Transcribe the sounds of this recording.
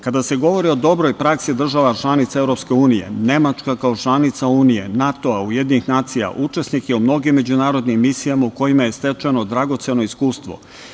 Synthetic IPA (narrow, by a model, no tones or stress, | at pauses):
kad̪ase̞ɡo̞ʋo̞ɾio̞d̪o̞bɾo̞jpɾaksid̪r̩ʒaʋat͡ʃlˠanit̪saevɾo̞pske̞uːnije̞̰ne̞mat͡ʃkakao̞t͡ʃlˠanit̪sauːnije̞nat̪o̞aujed̪ninixnaːt̪sija̰ʔut͡ʃe̞snikjeumno̞ɡimːe̞d͡ʑunaːɾo̞d̪nimːisijamauko̞jimaje̞st̪e̞t͡ʃano̞d̪ɾaɡo̞t̪se̞no̞iskuːst̪ʋo̞̰